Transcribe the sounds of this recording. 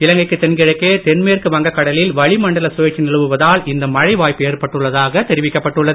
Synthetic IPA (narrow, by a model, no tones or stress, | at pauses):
ɪlɐŋɡɐɪkːɯt̪ːɛnɡɪɻɐkːeːt̪ɛnmeːrkɯʋɐŋɡɐkːɐɽɐlɪlʋɐɭɪmɐɳɖɐlɐsʊʋeːt͡ʃːinɪɻɯʋɯʋɐðaːlɪnd̪ɐmɐɻɐɪʋaːjpeːɾpɐʈːɯɭːɐðaːɣɐt̪ɛɾɪʋɪkːɐpːɐʈːɯɭːɐðɯ